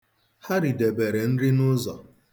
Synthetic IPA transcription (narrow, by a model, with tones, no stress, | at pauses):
ha˦ɾi˨de˨be˨ɾe˨n̩˦ɾɪ˦nʊ˦zɔ˨